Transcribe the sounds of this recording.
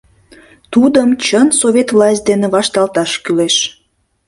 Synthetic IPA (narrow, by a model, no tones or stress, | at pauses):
t̪ud̪əmt͡ɕənsovʲet̪vlɑsʲt̚ʲd̪eneβɑʃt̪ɑlt̪ɑʃkyleʃ